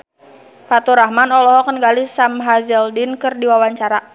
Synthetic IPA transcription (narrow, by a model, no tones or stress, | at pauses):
fat̪uɾahmanɔlɔɦɔkənɡalisamɦazɛldɪnkɨrdiwawaɲt͡ʃaɾa